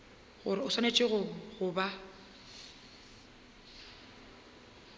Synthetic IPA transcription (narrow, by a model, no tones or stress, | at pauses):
ɣʊɾɪʊswanet͡ʃʼɪɣʊɣʊba